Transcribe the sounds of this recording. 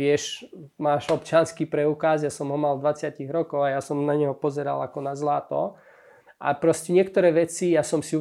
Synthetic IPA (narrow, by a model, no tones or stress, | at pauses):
ɪɛʃmaːʃɔpt͡ʃɪanskiːpɾɛukazjasɔmɦɔmald̪ʋat͡sɪaciɣɾɔkɔʊajasɔmnaɲɛɦɔpɔzɛɾa̰lakɔnazlat̪ɔ̰ | ʔa̰pɾɔscɛɲɪɛkt̪ɔɾɛːʋɛt͡sijasɔmsiu